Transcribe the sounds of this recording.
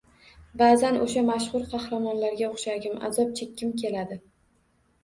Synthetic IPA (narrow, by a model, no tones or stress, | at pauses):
baːzanʔo̰ʃamaʃχʊɾqʰɑhɾamɒnlaɾɡʲaoχʃaɡʲɪma̰zɒp̚t͡ʃʰekʲːɪmkʲʰe̞lad̪ɪ